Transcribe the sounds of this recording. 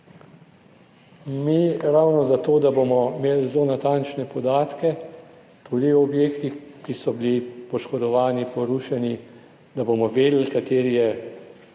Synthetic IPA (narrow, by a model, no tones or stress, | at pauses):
miɾawnɔzat̪oːd̪abomɔmeːlzloːnat̪ant͡ʃnɛpɔd̪aːt̪kɛ | t̪uːd̪iwɔbjeːkt̪ixkisɔbilipɔʃkɔd̪ɔʋaːnipɔɾuːʃɛni | d̪abomɔʋeːd̪l̩kat̪eːɾijɛ